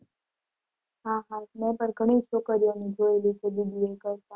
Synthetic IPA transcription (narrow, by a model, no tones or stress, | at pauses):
ɦãɦãmɛ̃pəɾɡʱəɽ̃iʃokəɾjaned͡ʒoelit͡ʃʰed̪id̪ʱiekəɾt̪a